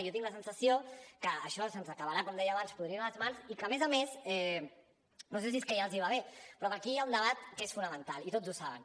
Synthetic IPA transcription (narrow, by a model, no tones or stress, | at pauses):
jɔt̪iŋɡləs̬ənsəsiokəːʃɔsənzəkəβəɾakɔmd̪ɛjəːβanspuðɾiəaləzmanzikəmezəmesɛ | noses̬iskɛjalˠziβaβ̞epɾɔðəkijaund̪əβ̞at̪̚kesfunəmənt̪alˠit̪od͡zzusaβə̰n